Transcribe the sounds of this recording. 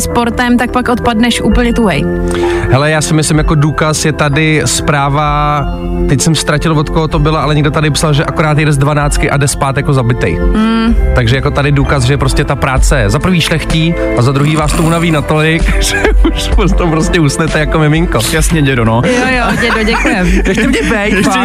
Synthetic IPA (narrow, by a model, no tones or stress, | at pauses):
spoɾt̪ɛmt̪ak̚pakʔot̪padnɛʃʔuːpl̩ɲɛt̪uɦɛjɦɛlɛjaːsɪmɪslɪmjako̞duːkasjɛt̪adɪspɾaːva | t̪ɛcsɛmst̪ɾacɪlvot̪koɦot̪obɪlaʔalɛɲɛɡdot̪adɪpsalʒɛʔakoɾaːt̪jɛdɛzdvanaːt͡skɪʔadɛspaːt̪jako̞zabɪt̪ɛ̰jm̩t̪aɡʒɛjako̞t̪adɪduːkas̬ʒɛjɛpɾo̞scɛt̪apɾaːt͡sɛzapɾ̩viːʃlɛxciː | ʔazad̪ɾuɦiːvaːst̪ounaviːnat̪olɪkʒ̥ɛuʃpost̪opɾoscɛusnɛt̪ɛjakomɛmɪŋkojasɲɛɲɛdonojojoɲɛdoɟɛkujɛmjɛxɪmɲɛbɛjt̪ː